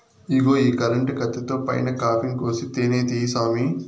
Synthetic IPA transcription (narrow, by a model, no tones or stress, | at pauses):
iɡoːiːkɐɾɐɳʈikɐt̪ːit̪o̞ːpɐ̰jnɐkaːpʰiŋkoːsit̪eːneːd̪isaːmi